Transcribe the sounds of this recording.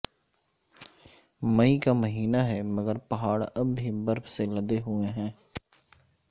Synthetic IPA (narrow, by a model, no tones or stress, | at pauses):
məikaːməɦiːnaɦɛːməɡəɾpəɦaːɽəbʱːibəɾpseləd̪eɦʊeɦɛ̃ː